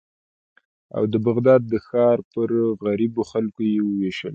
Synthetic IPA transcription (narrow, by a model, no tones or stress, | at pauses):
a̰wd̪əbaɣd̪ɑd̪̚ːəxɑɾpəɾɣaɾiboxalkojewəweʃəl